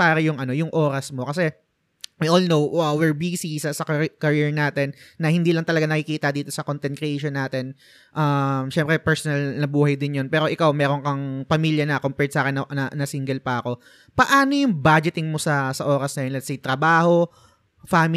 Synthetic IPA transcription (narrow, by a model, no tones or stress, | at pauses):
paːɾɐjʊŋʔɐno̞jʊŋʔo̞ːɾɐsmo̞kɐsɛ | wijʔolnowɐwɛɹbiːsisɐsɐkɐkɐɹiɹnaːt̪ɛnːɐhɪnd̪iːlɐŋt̪ɐlɐɡanɐkɪkiːt̪ɐd̪iːt̪o̞sɐkont̪ɛn̚kɾɛʔejʃonːaːt̪ɛn | ʔɐmʃɛmpɾɛpɛɹsonɐlnɐbuːhɐjd̪ɪnjonpɛːɾo̞ʔɪkawmɛːɾoŋkɐŋpɐmiːljɐnɐkompɛɹt̪sʔaːkɪnːɐɐnɐsiŋɡɛlpɐʔɐko̞ | pɐʔaːno̞jʊŋbad͡ʒɪt̪ɪŋmo̞sɐsɐʔo̞ːɾɐsnɐjonlɛt̪̚sejt̪ɾɐbaːho̞ | faːmɪ